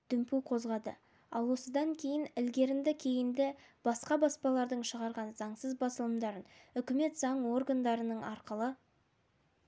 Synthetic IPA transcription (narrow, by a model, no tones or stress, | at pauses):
d̪̥ʏmpuqʰo̞zʁɑd̪ə̰ | ɑ̰lˠwo̞səd̪ɑŋkʲʰe̞jɪnɪlɡʲe̞ɾɪnd̪ɪkʲʰe̞jɪnd̪ɪb̥ɑsqɑbɑspɑlˠɑɾd̪əɴʃəʁɑɾʁɑnzɑɴsəzbɑsəlˠəmd̪ɑɾənʏkʲɪme̞t̪zɑɴwo̞rɡand̪ɑɾənəɴɑɾqəlˠə